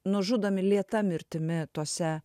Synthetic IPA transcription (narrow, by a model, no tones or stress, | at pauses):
nʊʒud̪ɐmʲɪlʲiɛt̪ɐmʲɪɾʲt̪ʲɪmʲɪt̪oːsʲɛ